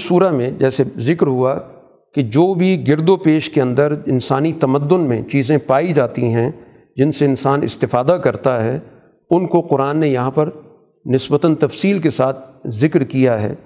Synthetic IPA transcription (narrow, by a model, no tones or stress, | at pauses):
suːɾamẽd͡ʒɛːsezɪkɾɦua | ked͡ʒoːbʱiɡɪɾd̪opeːʃkeɐ̃nd̪əɾɪnsaːnit̪ɐməd̪ːʊnmẽt͡ʃiːzẽpaːid͡ʒaːt̪iɦɛ̃ | d͡ʒɪnseɪnsaːnɪ̰st̪ɪfaːd̪akɐɾt̪aɦɛ | ʊnkoqʊɾaːnːejɐɦãpɐɾ | nɪsbət̪ənt̪ɐfsiːlkesaːt̪̚ʰzɪkɾkijaɦɛ̰ː